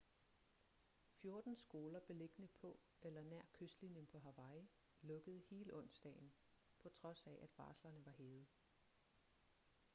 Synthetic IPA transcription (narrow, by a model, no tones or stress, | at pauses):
fjo̝ɐd̥n̩sɡ̥o̝ːlɐb̥e̝le̝ɡ̥ənəpʰɒ̽ | ʔelɐnæɐ̰kʰøsd̥linjənpʰɒ̽ɦɑ̈ʋɑ̈ɪ | lɔ̽ɡ̥əð̞̩ˠhe̝ːləʔɔ̽n̰sd̥ɛ̰ːɪn̩ | pʰɒ̽t͡sʰʁɒ̽sæʔæd̥ʋɑ̈ːslɐnəʋɑ̈ɦeːð̞̩ˠ